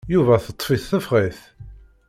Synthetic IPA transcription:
juvæθət̪ˤːfiθθəfʁiθ

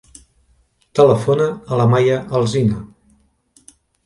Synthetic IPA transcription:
t̪ələfonəːləmajəʔəlˠzinə

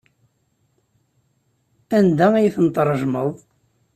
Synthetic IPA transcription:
ænd̪ææjθənt̪ɾˤəʒməðˤ

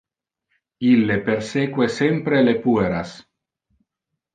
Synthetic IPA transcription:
ilːepeɾsekwesempɾelepueɾas

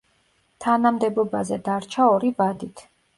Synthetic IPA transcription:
t̪ʰanamd̪ɛbɔbazɛd̪aɾt͡ʃʰaɔɾivad̪it̪ʰ

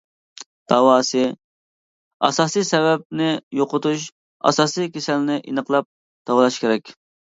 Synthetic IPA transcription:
d̪̥ɑwɑːsɨ | ɑ̰sɑːsijsɛvɛp̚nɪjoqʊt̪uʃ | ɑ̰sɑːsijkʲʰesɛlnɪʔinəqlˠɑp̚ | d̪̥ɑwlˠɑʃkʲʰeɾɛkʲ

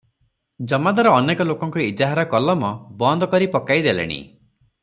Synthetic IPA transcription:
d͡ʒɔmad̪aɾɔːnekɔlokɔŋkɔid͡ʒaɦaɾɔkɔlɔmɔbɔnd̪ʱɔkɔɾipɔkajd̪elḛɽ̃ḭ

